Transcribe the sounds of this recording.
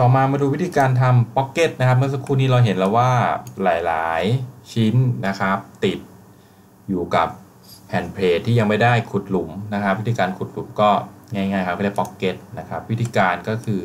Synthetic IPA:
t̪ɔː˨˩maː˧maː˧duː˧wi˦˥t̪ʰiː˧kaː˧nt̪ʰa˧mpɔ˦˥kːe˦˥t̪̚na˦˥kʰa˦˥mɯ˥ɐ˨sa˧˦kʰuː˥˩niː˦˥ɾa˧wɦe˩˦nlɛ˧waː˥˩laː˩˦jla̰ː˩˦jt͡ɕʰi˦˥nna˦˥kʰa˦˥p̚t̪i˨˩t̪̚ | juː˨˩ka˨˩p̚ | hʰɛ˨˩npʰleː˧t̪ʰːiː˥˩ja˧ŋma˥˩jda˥˩jkʰu˨˩t̪̚lu˩˦mna˦˥kʰa˧˦p̚wt̪ʰiː˧kaː˧nkʰu˨˩t̪̚lu˨˩˦mkɔː˥˩ŋaː˥˩jŋaː˥˩jkʰa˦˥m˥˩da˥˩pɔ˦˥kːe˦˥t̪̚na˦˥kʰa˦˥p̚wi˦˥t̪ʰiː˧kaː˧nkɔː˥˩kʰɯː˧

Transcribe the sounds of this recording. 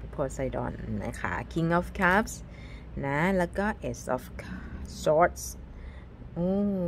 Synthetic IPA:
pʰoː˧sa˧jdɔ̰˨˩nːa̰˦kʰa̰˦˥˩kʰi˧˥ŋʔɔː˧˩fkʰa˦˥ps | na˦˥lɛː˦˥kɔː˥˩ʔe˨˩sɔ̰˧˩fkʰa˦˥sɔː˦˥t̪̚s | ʔoː˧˩

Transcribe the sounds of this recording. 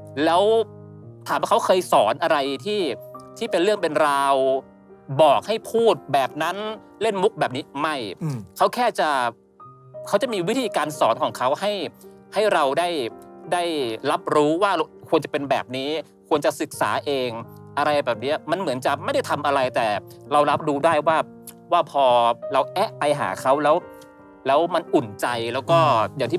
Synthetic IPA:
lɛː˦˥wt̪ʰaː˨˦mha˥˩kʰa˦˥wkʰɤː˧jsɔː˩˦nʔa˧ɾa˧jt̪ʰiː˥˩t̪ʰiː˥˩pe˧nɾɯ˥˩əŋpe˧nɾaː˧w | bɔː˨˩k̚ha˥˩jpʰuː˥˩t̪̚bɛː˨˩p̚na˦˥n | le˥˩nmu˦˥k̚bɛː˨˩p̚ni˦˥ma˥˩jkʰa˦˥wkʰɛː˥˩t͡ɕa˨˩ | kʰa˦˥wt͡ɕa˨˩ʔmiː˧wi˦˥t̪ʰiː˧kaː˧nsɔː˩˦nkʰɔː˩˦ŋkʰa˦˥wha˥˩j | ha˥˩jɾa˧wdaː˥˩jdaː˥˩jɾa˦˥p̚ɾuː˦˥waː˥˩˧kʰu˧ənt͡ɕa˨˩pe˧nbɛː˨˩p̚niː˦˥ | kʰu˧ənt͡ɕa˨˩sɯ˨˩k̚sa̰ː˩˦ʔeː˧ŋ | ʔa˧ɾa˧jbɛː˨˩p̚ni˦˥ɐma˧nmɯ˩˦ənt͡ɕa˨˩ma˥˩jda˥˩jt̪ʰa˧mʔa˧ɾa˧jt̪ɛː˨˩ɾa˧wɾa˦˥p̚duː˦˥daː˥˩jwaː˥˩ | waː˥˩pʰɔː˧ɾa˧wʔɛ˦˥ʔpa˧jɦa̰ː˩˦kʰa˦˥wlɛː˦˥w | lɛː˦˥wma˧nʔu˨˩nt͡ɕa˧jlɛː˦˥wkɔː˥˩ja˨˩ŋt̪ʰiː˥˩

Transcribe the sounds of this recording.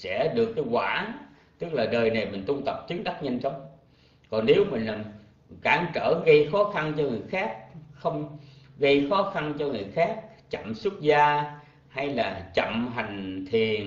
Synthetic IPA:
sɛ̰˧˥ɗɨ˨˩əkːaː˨˦jkwaː˧˩˨n | t̪ɨ˦˥k̚laː˨˩ɗəː˨˩jna˨˩jmï˨˩ŋ̟t̪u˧t̪ə˨˩p̚t͡ɕɨ˨˦ŋ̚ɗa˦˥t̚ɲa˧nt͡ɕə˨˦wŋ͡m | kɔ˨˩nne˨˦wmï˨˩ŋ̟laː˨˩m | kaː˧˩ŋt͡ɕə̰ː˧˩ɣə˧jxɔ˨˦xa˧nt͡ɕɔ˧ŋɨ˨˩əjxaː˦˥k̚xə˧wŋ͡mɣə˧jxɔ˨˦xa˧nt͡ɕɔ˧ŋɨ˨˩əjxaː˦˥k̚t͡ɕə̰˧˨mswə˦˥t̚zaː˧ | ha˧jlaː˨˩t͡ɕə̰˧˨mɦa˨˩jŋ̟t̪ʰi˨˩ən

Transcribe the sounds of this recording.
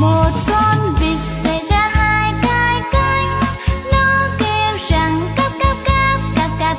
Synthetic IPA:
mo˨˩t̚kɔ˧nvi˨˩ək̚sɛ̰˧˥jzaː˧haː˧jka˧jka˧jŋ̟nɔ˨˦ke˧wza˨˩ŋka˦˥p̚ka˦˥p̚ka˦˥p̚ka˧p̚ka˧˥

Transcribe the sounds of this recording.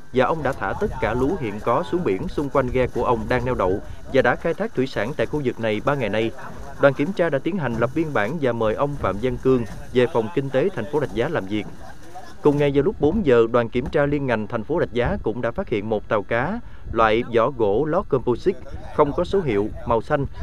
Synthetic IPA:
vaː˨˩ʔə˧wŋ͡mɗa̰ː˧˥t̪ʰaː˧˩t̪ə˦˥t̚kaː˧˩lu˨˦ɦḭ˧˨ənkɔ˨˦su˨˦əŋɓḭ˧˩ənsʊ˧ŋ͡mkwa˧jŋ̟ɣɛ˧ku˧˩əʔə˧wŋ͡mɗaː˧ŋnɛ˧wɗə̰˧˨w | vaː˨˩ɗa̰ː˧˥xaː˧jt̪ʰaː˦˥k̚t̪wi˧˩saː˧˩nt̪a̰ː˧˨jxu˧zɨ˨˩k̚na˨˩jɓaː˧ŋa˨˩jna˧j | ɗwaː˨˩nki˧˩əmt͡ɕaː˧ɗa̰ː˧˥t̪i˨˦ənɦa˨˩ŋ̟lə˨˩p̚vi˧ənɓaː˧˩nvaː˨˩məː˨˩jʔə˧wŋ͡mfa̰ː˧˨mzə˧ŋkɨ˧əŋ | ve˨˩fɔ˨˩wŋ͡mkï˧ŋ̟t̪e˨˦t̪ʰa˨˩jŋ̟fo˨˦ɗa˨˩jk̚zaː˨˦laː˨˩mzi˨˩ək̚ | kʊ˨˩ŋ͡mŋa˨˩jzaː˨˩lʊ˦˥k͡p̚ɓo˨˦nzəː˨˩ɗwaː˨˩nki˧˩əmt͡ɕaː˧li˧ənŋa˨˩ŋt̪ʰɛ˨˩ŋ̟fo˨˦ɗa˨˩k̟̚zaː˨˦kʊ̰˧˥ŋ͡mɗa̰ː˧˥faː˦˥t̚hḭ˧˨ənmo˨˩t̚t̪aː˨˩wkaː˨˦ | lwa̰ː˧˨jzɔ̰˧˩ɣo̰˧˥lɔ˦˥t̚kɔ˧mpu˧si˦˥k̚ | xə˧wŋ͡mkɔ˨˦so˨˦ɦḭ˧˨əw | ma˨˩wsa˧jŋ̟

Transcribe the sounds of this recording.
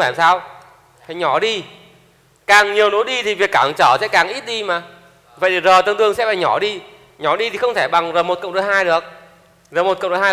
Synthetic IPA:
faː˧˩msaː˧w | fa˧˨˩ɲɔ˧˩ɗi˧ | kaː˨˩ŋɲi˨˩əwno˨˦jɗi˧t̪ʰi˨˩vi˨˩əkːaː˧˩ŋt͡ɕəː˧˩sɛ̰˧˥kaː˨˩ŋʔi˦˥t̚ɗi˧maː˨˩ | və̰˧˨jt̪ʰi˨˩zəː˨˩jt̪ə˧nt̪ɨ˧əŋsɛ̰˧˥va̰ː˧˨˩ɲɔ˧˩ɗi˧ | ɲɔ˧˩ɗi˧t̪ʰi˨˩xə˧wŋ͡mt̪ʰe˧˩ɓa˨˩ŋzəː˨˩mo˨˩t̚kə̰˧˨wŋ͡mɗə˨˦jɦaː˧jɗɨ˨˩ək̚ | zəː˨˩mo˨˩t̚kɗo˨˧˩haː˧

